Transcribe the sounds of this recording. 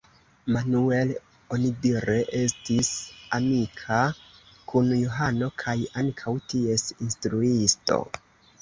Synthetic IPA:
manue̞l | o̞nidiɾeʔe̞stisamikʰa | kunjoɦano̞kʰajaŋkʰawtie̞sinstɾuisto̞̰

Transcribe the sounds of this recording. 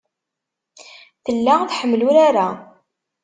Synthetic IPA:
θəlːaθħəmːluɾaɾa

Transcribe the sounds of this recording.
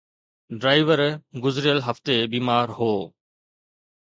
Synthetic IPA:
ɖɾaːɪʋəɾɡʊzɾɪjəlɦəft̪ebiːmaːɾɦoː

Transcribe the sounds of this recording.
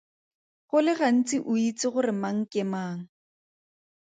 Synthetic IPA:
χʊlɪɣan̩t͡sʼɪʔʊit͡sʼɪχʊrɪmaŋ̩kɪmaːŋ̩

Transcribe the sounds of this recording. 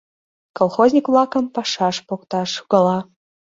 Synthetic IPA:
kolˠxozʲnʲikvlˠɑkɤ̆mpɑʃɑʃpokt̪ɑʃuɣ̥ɑlˠɑ

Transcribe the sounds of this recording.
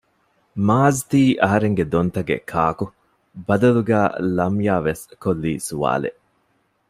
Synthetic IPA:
maːzt̪iːʔɐɦɐɾeŋɡed̪ont̪ɐɡḛkʰaːku | bɐd̪ɐluɡæːlɐmjaːʋeskolːiːsuʋa̰ːlḛʔ

